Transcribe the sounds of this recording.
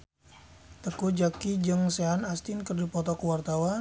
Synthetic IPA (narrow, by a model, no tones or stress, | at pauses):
t̪əkud͡ʒakid͡ʒəŋseanast̪inkərd͡ʒupɔt̪ɔkuwart̪awa